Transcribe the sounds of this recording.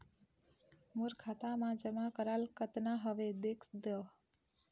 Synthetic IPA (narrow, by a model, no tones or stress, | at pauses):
muɾkʰat̪amãd͡ʒəmakəɾalkət̪naɦəʋed̪ekʰd̪ə